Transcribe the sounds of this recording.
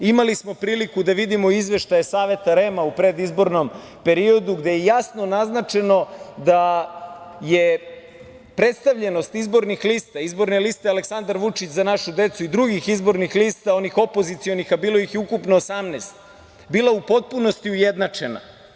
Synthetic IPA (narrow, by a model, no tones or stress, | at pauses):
imalismo̞pɾiːlikud̪aʋid̪imo̞izʋe̞ʃt̪ajesaːʋe̞t̪aɾe̞maupɾe̞d̪izbo̞ɾno̞m | pe̞ɾio̞d̪uɡd̪e̞jejasnonaznat͡ʃe̞no̞d̪a | je | pɾe̞t̪st̪aʋʎe̞no̞st̪izbo̞ɾnixliːst̪aizbo̞ɾnelist̪ealeksand̪aɾʋut͡ʃit͡ɕzanaʃud̪e̞t̪suid̪ɾuɡixizbo̞ɾnixlist̪ao̞nixo̞po̞zit̪sio̞nixabiːlo̞ixjeukupnoːsamneːst̪̚ | biːlˠaupo̞t̪̚puno̞st̪iujed̪nat͡ʂe̞na̰